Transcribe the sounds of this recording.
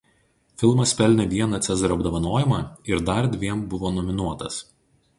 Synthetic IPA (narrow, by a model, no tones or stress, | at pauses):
fʲɪlˠmɐspʲɛlʲnʲɛʋʲiɛnɐːt̪sʲɛzɾɐbd̪ɐʋɐnoːjɪmɑːɪɾd̪ɐɾd̪ʲʋʲiɛmbʊʋoːnɔmʲɪnuɔt̪ɐs